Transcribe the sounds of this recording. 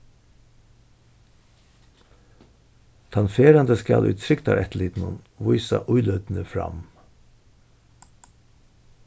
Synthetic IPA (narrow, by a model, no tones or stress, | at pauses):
t̪ʰɑnfeːɾɑnd̪əskɑlʔʉ̰ːt̪t̪ʰɾʏkt̪ɑ̰ːɾʔɛt̪liːd̪n̩ʊn | ʋʊʏsɑ̰ʔʊʏlœd̪n̩əfɾɑ̰m